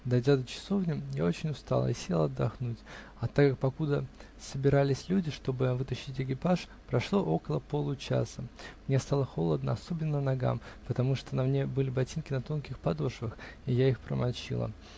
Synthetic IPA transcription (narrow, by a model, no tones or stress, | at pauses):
d̪ɐjdʲad̪ət͡ɕɪ̥so̞vnʲɪmja̰o̞t͡ɕɪnʲʊst̪a̰lˠə̰isʲelˠɐd̪ːɐxnutʲ | ɐt̪akːak̚pɐkud̪ə | səbʲɪɾalʲɪsʲlʲudʲɪʂt̪o̞bɨvɨt̪ɐɕːɪtʲɪkʲɪpaʂ | pɾɐʂlˠo̞ʔo̞kəlˠəpo̞lˠʊt͡ɕa̰səmnʲest̪alˠəxo̞lˠəd̪nəɐso̞bʲɪnːənɐɡa̰mpət̪ɐmuʂt̪onɐmnʲe̞bɨlʲɪbɐtʲinkʲɪnɐt̪o̞nkʲɪxpɐd̪o̞ʂvəxijaixpɾə̰mɐlʲˠt͡ɕḭlˠə̰